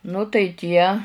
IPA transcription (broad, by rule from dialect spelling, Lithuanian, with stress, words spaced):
nʊ tɐɪ ˈtʲiɛ